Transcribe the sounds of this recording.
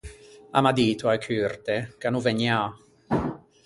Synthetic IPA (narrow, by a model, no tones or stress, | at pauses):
a̰mad̪iːt̪waekʰyrt̪ekanuveɲa